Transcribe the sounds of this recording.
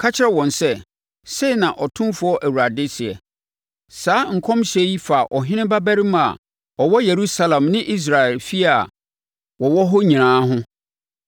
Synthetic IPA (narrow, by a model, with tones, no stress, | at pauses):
kʰa˦t͡ɕʰɪ˦ɾɛ˦wɔ̃˨nsɛ˦ | se˦˨nã˨ʔɔ˨tʰʊ̃˦mfʊ˦ɔ˦ʔæ˨wu˨ɾa˨dɪ˦sɪ˨ɛ̰˨ | saː˦ŋ̩˨kʰɔ̃˦mɕɛ˦ji˦fa˨ʔɔ˨ɦɪ̃˦nɪ̃˦ba˦bæ˦ɾi˦m˦a̰˨ | ɔ˨wɔ˦je˨ɾu˦sa˦lã˨mnɪ̃˦ʔi˦s̬ɾa˨ɛ˨lfi˦a˨ | wɔ˨wɔ˦ɦɔ˦ɲĩ˨nãː˨˦ɦʊ̃˦